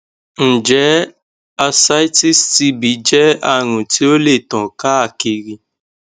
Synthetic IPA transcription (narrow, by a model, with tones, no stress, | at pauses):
n̩˨d͡ʒɛ˨˦ | a˧sa˦jti˦sti˧bi˨˦d͡ʒɛ˦a˦˨ɾ̃ũ˨ti˦o˦le˦˨tɔ̃˨ka˦a˦˨ki˧ɾi˧